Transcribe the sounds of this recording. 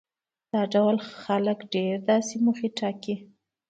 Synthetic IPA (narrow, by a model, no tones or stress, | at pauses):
d̪̥ɑɖawlxaləkɖeɾd̪ɑsemuxeʈɑki